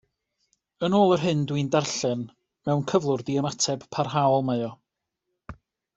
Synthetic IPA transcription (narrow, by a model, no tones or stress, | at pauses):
ənoːlˠərɦɨndwindarɬɛn | mɛwnkʰəvlˠʊrdiəmatʰɛb̥pʰarɦaɔlˠmaɔ